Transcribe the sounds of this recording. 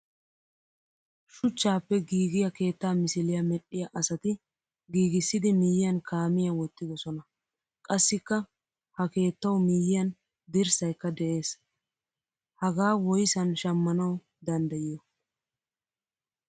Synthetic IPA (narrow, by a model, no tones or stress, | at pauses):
ʃʊt͡ʃːaːpːɛɡiːɡɪjɐke̞ːt̪ːaːmɪsɪlɪjɐmɛɗːɪjɐʔɐsɐt̪ɪ | ɡiːɡɪsːɪd̪ɪmiːjɪjɐnkʰaːmɪjɐwɔt̪ːɪd̪ɔsɔnɐ | kʼɐsːɪkːɐ | hɐke̞ːt̪ːɐwmiːjɪjɐn | d̪ɪɾsɐjkːɐd̪ɛʔe̞ːs | hɐɡaːwɔjsɐnʃɐmːɐnɐw | d̪ɐnd̪ɐjɪjɔ